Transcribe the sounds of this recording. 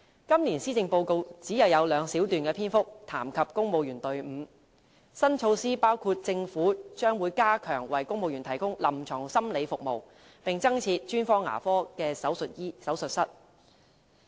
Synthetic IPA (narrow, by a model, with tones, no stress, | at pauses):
kɐ˥mliː˨˩nsiː˥t͡sɪ˧ŋpo˧wko˧wt͡siː˨˥jɐ˨˧wjɐ˨˧wlœː˨˧ŋsiː˨˥wt̪yː˨nkɛː˧pʰiː˥nfʊ˥k̚t̪ʰaː˨˩mkʰɐ˨p̚kʊ˥ŋmo˨˧wjyː˨˩nt̪ɵ˨ɥm̩ː˨˧ | sɐ˥nt͡ʃʰo˧wsiː˥paː˥wkʰuː˧t̚t͡sɪ˧ŋfuː˨˥t͡ʃœː˥ŋwuː˨˧jkaː˥kʰœː˨˩ŋwɐ˨jkʊ˥ŋmo˨˧wjy˨˩nt̪ʰɐ˨˩jkʊ˥ŋlɐ˨˩mt͡ʃʰɔː˨˩ŋsɐ˥mle˨˧jfʊ˨k̚mo˨w | pɪ˨ŋt͡sɐ˥ŋt͡sʰiː˧t̚t͡ʃyː˥nfɔː˥ŋːa̰ː˨˩fɔː˥kɛː˧sɐ˨˥wsɵ˨t̚ji˥sɐ˨˥wsɵ˨t̚sɐ˥t̚